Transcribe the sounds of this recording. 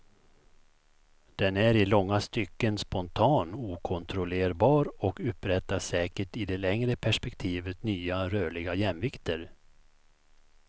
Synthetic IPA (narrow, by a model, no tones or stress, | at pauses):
d̪̥ɛnæɾɪlɔŋːast̪ʏkːənspɔnt̪ʰɑːnuːkʰɔnt̪ʰɾɔleːɾbɑːɾɔkɵpɾɛt̪ːasɛːkəʈɪd̪ɛlɛŋɾəpʰæʂpɛkt̪ʰiːvət̪nyːaɾøːɭɪɡajɛmvɪkt̪ʰəɾ